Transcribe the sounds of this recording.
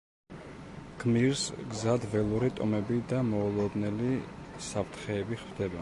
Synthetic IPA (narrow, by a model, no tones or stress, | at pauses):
ɡ̥miɾsɡzad̪vɛlˠuɾit̪ʼɔmɛbid̪amɔːlˠɔd̪nɛlisapʰt̪ʰχɛːbiχvd̪ɛbɛ